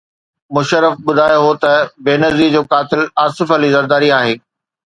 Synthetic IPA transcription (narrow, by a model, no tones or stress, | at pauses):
mʊʃəɾəfɓʊd̪ʱaːjoɦot̪ɐbeːnɐziːɾd͡ʑoːkaːt̪ɪlaːsɪfəlizɐɾd̪aːɾiaːɦeː